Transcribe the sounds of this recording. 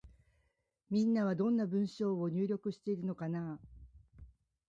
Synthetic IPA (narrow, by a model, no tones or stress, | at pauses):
mʲĩnːaβ̞ad̪õ̞nːabɯ̟̃ɰ̃ɕo̞ːo̞ɲ̟ɨːɾʲo̞kɯ̟ɕi̥t̪e̞iɾɯ̟no̞kana